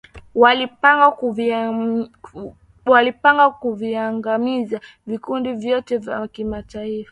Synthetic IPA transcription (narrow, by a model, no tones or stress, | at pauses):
walipaŋɡav | walipaŋɡakuviaŋɡamiza | vikundivjɔtɛvjakimataifḁ